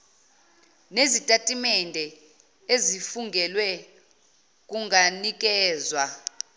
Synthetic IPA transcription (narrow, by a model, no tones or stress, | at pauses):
nezitʼatʼimɛndʱɛ | ezifuŋɡʱɛlwɛ | k̬ʼuŋanik̬ʼɛːzwa